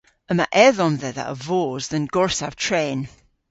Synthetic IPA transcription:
əma̰ʔɛðɔnðɛða̰ʔə̰voːzðənɡ̥ɔɹsav̥tʰɹɛːn

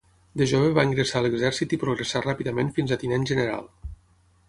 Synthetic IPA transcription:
d̪əʒoβeβaiŋɡɾəsaələɡzɛɾsit̪ipɾuɣɾəsarapiðəmenfinzat̪inenʒənəɾa̰lˠ

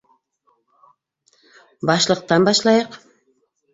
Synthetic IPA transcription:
bɑʃlˠəq̚t̪ɑnbɑʃlˠɑjɤq

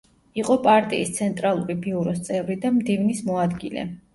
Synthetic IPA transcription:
iqʼɔpʼaɾt̪ʼḭist̪sʰɛnt̪ʼɾalˠuɾibiuɾɔst̪sʼɛvɾid̪amd̪ivnismɔad̪ɡilɛ̰

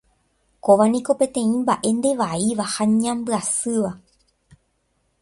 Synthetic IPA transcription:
ko̞ʋanĩko̞pẽ̞t̪ẽ̞ĩmbaʔe̞nd̪e̞ʋaiʋahaɲãmbɨasɨʋa

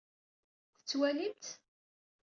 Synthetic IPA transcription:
θə̥t͡sːwælint̪

